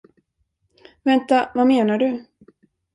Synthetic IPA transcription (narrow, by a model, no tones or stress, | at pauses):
vɛnt̪avameːnaɖɵ